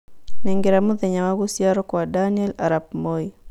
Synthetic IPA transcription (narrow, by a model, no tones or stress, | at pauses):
nɛŋɡeɾamuðɛɲawaɡusiaɾɔkwadaniɛlaɾab̚mɔi